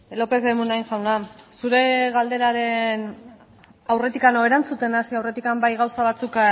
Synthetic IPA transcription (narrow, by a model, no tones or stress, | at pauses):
lo̞pe̞θβemunajnʝawnasuɾe̞ɣald̪e̞ɾaɾe̞n | awre̞t̪ikano̞eɾant͡sut̪e̞nasiawre̞t̪ikambajɣawsaβ̞at͡suk